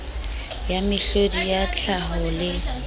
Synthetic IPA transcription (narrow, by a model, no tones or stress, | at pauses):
jamɪɬodijat͡ɬʰaɦɔlɪ